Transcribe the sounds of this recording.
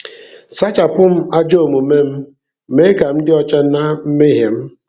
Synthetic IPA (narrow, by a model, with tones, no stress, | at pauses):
sa˦t͡ʃa˨pʊ˦m̩˦a˦d͡ʒo˦o˨mu˨me˦m̩˦ | me˦ka˨m̩˦dɪ˦ɔ˦t͡ʃa˦na˦m̩˦me˦ɦe˨m̩˦